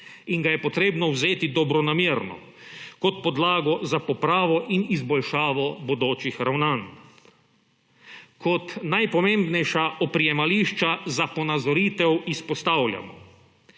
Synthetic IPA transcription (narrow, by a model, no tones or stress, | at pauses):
iŋɡajɛpɔt̪ɾeːbnɔwzeːt̪id̪ɔbɾɔnamjeːɾnɔ̰ | kɔt̪pɔd̪laːɡɔzapɔpɾaːʋɔʔinizbɔlʃaːʋɔbod̪oːt͡ʃixɾawnan | kʰɔt̪najpɔmẽmbnɛjʃaʔɔpɾijɛmaliːʃt͡ʃazapɔnazɔɾiːt̪ɛwispɔst̪awlʲja̰mɔ̰